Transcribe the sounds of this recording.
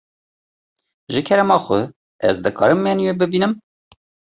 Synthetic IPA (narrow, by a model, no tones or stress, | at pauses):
ʒɨkʲʰɛɾɛmɑːxʷʊ | ɛ̰zd̪ɨkʰɑ̰ːɾɨmːɛnweːbɨbiːnɨm